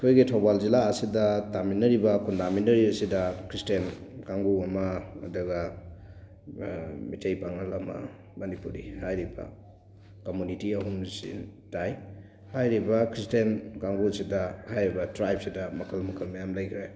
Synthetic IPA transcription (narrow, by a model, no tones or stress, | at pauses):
kʰojɡitʰobalzilaːsidɐtaminːɐɾibɐkundaminɐɾiɐsidɐkʰɾistenkaŋɡuɐmɐ̰ːdɐɡɐ | mitʰejpaŋɐlɐmɐ̰ | mɐnipuɾḭhajɾibɐ̰ | komunitiɐɦumsḭntaj | hajɾibɐkʰɾistenkaŋɡuɐsidɐhajɾibɐtɾajp̚sidɐmɐkʰɐlmɐkʰɐlmɐjamlajkʰɾe